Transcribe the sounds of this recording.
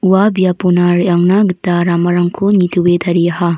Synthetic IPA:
uwabijaponaɾjaŋnaɡitːaɾamɐɾaŋkʰonitʰubetʰɐɾiɐha

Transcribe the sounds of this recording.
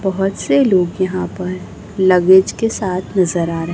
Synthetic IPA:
bɐɦʊt̪seloːɡjɐɦãpɐɾ | lɐɡed͡ʒkesaːt̪ʰnɐzəɾaːɾɐɦ

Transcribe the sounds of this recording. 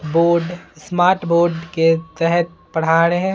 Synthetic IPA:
boːɾɖsmaːɾʈboːɾɖket̪ɛɦɛt̪̚ | pɐɽ̤aːɾeɦɛ̃

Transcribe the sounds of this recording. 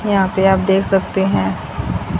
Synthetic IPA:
jɐɦãpeaːpd̪eːkʰsɐkt̪eɦɛ̃ː

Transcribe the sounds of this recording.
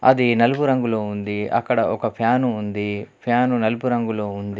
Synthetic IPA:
ɐ̰d̪inɐlupuɾɐŋɡuloːund̪iɐ̰kːɐɽɐʔɔkɐpʰjaːnuːnd̪ipʰjaːnunɐlupuɾɐŋɡulo̞ːund̪i

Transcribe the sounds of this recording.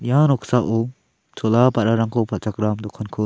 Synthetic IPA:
janɔkʰsaʔɔ | t͡ʃʰɔlapaɾaɾaŋkʰɔpʰalt͡ʃakɾamd̪ɔkʰːɔnkʰɯ

